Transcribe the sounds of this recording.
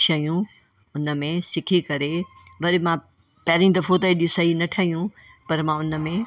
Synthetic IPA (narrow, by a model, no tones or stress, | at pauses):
ʃɐijũ | ʊnə̆mẽsɪkʰikɐɾeʋɐɾɪmã | pɐɾĩd̪ɐfot̪ɐeɗijũsɐɦinɐʈʰaːijũ | pɐɾmãʊnə̆mẽ